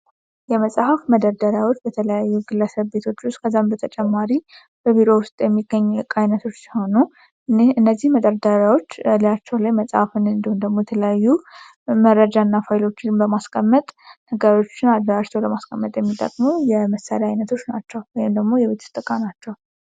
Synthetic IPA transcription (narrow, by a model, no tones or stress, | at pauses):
jɛməsʼhəfməd̪əɾd̪əɾawo̞t͡ʃːbət̪ʰələjajːuɡɨlːəsəβbe̞t̪ʰo̞t͡ʃːʊst̪kʰəzːambət̪ʰət͡ʃʼɛmːaɾi | b̥əβiɾo̞wʊst̪ʼjɛmːiɡəɲːkʼajnət̪ʰo̞t͡ʃːsiho̞nu | nɨnːəzːihməd̪əɾd̪əɾawo̞t͡ʃːlat͡ʃːɛwlajməsʼhafɨnɨnd̪ihund̪əɡmo̞jɛt̪ʰələjajːu | məɾːəd͡ʒanːafajlo̞t͡ʃːɪnbəmaskʼəmːət̪ʼnəɡəɾo̞t͡ʃːɪnad̪ːəɾat͡ʃːɛwləmaskʼʰəmːət̪ʼjɛmːit̪ʼə̰kʼmowjɛməsːa̰ɾaajnət̪ʰo̞t͡ʃːna̰t͡ʃːɛwwɔjimd̪əɡmo̞jɛβe̞t̪ʰɨ̥st̪ʼɨkʼanat͡ʃːɛw